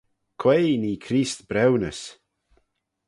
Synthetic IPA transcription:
kʰwejniːkʰɾiːst̪b̥ɾɛwnəs

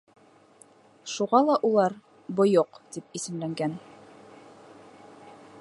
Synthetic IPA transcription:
ʃuʁɑlˠɑʔulˠɑɾ | bŏjoqt̪ip̚isɘ̆mlæŋɡæn

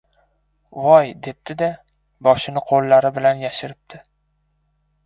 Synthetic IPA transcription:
vɒjd̪e̞p̚d̪̥ɪd̪a | bɒʃɪnɪqʰolˠːaɾɪbɪlanjaʃɪɾɪp̚d̪̥ʰɪ

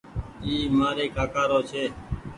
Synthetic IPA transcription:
iːmaːɾeːkaːkaːɾoːt͡ʃʰeː

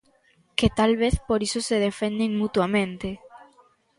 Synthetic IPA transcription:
ket̪alβ̞eθpoɾisoseðefend̪eŋmut̪wamẽnt̪e

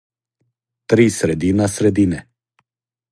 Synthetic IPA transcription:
t̪ɾiːsɾed̪inasɾed̪inɛ

